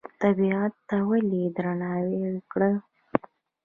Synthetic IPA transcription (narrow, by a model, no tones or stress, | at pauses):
t̪abiɑt̪ːawalid̪ɾanɑwewkɽə